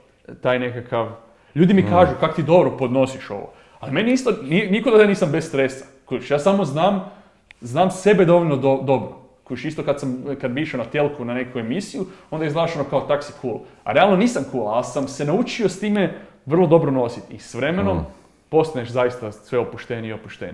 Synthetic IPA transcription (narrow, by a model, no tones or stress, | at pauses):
t̪aːjnekakaʋ | ʎuːd̪imikaːʒukakot̪iːd̪o̞bɾopod̪no̞siʃo̞̰ʋo̰ | alime̞niist̪oninikod̪aaniːsambessɾesa | koʃjaːsamo̞znaːm | znaːmse̞be̞d̪o̞ʋoʎʲnod̪od̪o̞bɾo | koʃist̪o̞kad̪samkad̪̚biʃenat̪elkunane̞kue̞misijuond̪ajizlaʃonokaot̪aksikʰuːla̰ɾealˠnoniːsamkulalsamse̞naut͡ʃiost̪iːme̞ʋərlˠo̞d̪o̞bɾono̞sit̪isʋɾe̞me̞no̞m | po̞st̪aneʃzajist̪asʋe̞opuʃt̪eniiopuʃt̪ḛni